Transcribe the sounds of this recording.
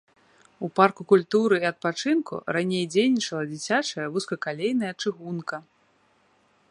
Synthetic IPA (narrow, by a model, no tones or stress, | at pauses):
uparkukulʲt̪uɾɨiɐt̪̚pat͡ʂɨnkṵranʲejd͡zʲejnʲit͡ʂɐlˠɐd͡zʲit͡sʲat͡ʂɐjɐvuskɐkalʲejnɐjɐt͡ʂɨɣunkɐ